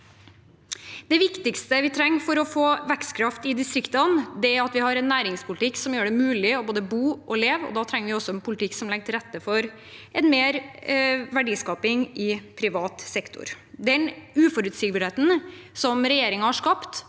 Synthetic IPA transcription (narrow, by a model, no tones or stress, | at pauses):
d̪̥ɛʋɪkt̪ɪkst̪əʋɪt̪ʰɾɛŋːfɔɾɔfoːʋækskʰɾɑft̪ɪd̪ɪst̪ɾɪkt̪ɑnd̪ɛæɾɑt̪ʋɪhɑɾɛnːæːɾɪŋspʰʊlɪt̪ʰɪkːsɔmjøːɖɛmʉːlɪɔboːd̪əbuːʔɔleːʋɔ̰d̪ɑːt̪ʰɾɛŋːəʋɪɔsːɔɛnpʰʊlɪt̪ɪkːsɔmlɛɡ̚t̪ʰɪɾɛt̪ːəfɔɾ | ʔɛnmeːɾ | ʋæɖiːskɑːpɪŋɪpʰɾɪʋɑːt̪sɛkt̪ʊ̰ɾ | d̪ɛnʉːfɔɾʉt̪sɪɡbəɾheːt̪n̩sɔmɾɛjeːɾɪŋɑhɑʂkɑpt̪